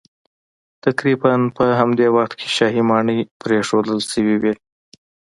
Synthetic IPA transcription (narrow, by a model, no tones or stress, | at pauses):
t̪akɾibanpəɦamd̪ewaxt̪kʰe̥ʃɑɦimɑɳəjpɾeʂod̪əlsəwiwi